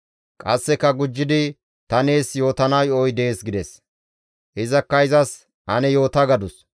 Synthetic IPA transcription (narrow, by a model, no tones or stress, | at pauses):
kʼɐsːɛkːɐɡʊd͡ʒːɪd̪ɪ | t̪ɐne̞ːsjo̞ːt̪ɐnɐjɔjd̪e̞ːsɡɪd̪ɛs | ʔɪzɐkːɐɪzɐs | ʔɐnɛjo̞ːt̪ɐɡɐd̪ʊs